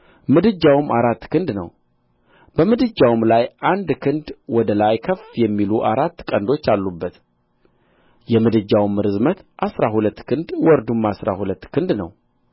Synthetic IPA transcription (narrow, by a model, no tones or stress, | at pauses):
mɨd̪ɨd͡ʒːawɨmaɾat̪ːkʰɨnd̪nə̰w | b̥əmɨd̪ɨd͡ʒːawɨmlajʔand̪kʰɨnd̪wɔd̪əlajkʰəfjɛmːiluʔaɾat̪ːkʼənd̪o̞t͡ʃːalːubːət̪ | jɛmɨd̪ɨd͡ʒːawmːɨɾɨzmət̪ʔasɾahulət̪ːkʰɨnd̪wɔɾd̪umːasɾa̰hulət̪ːkʰɨnd̪nə̰w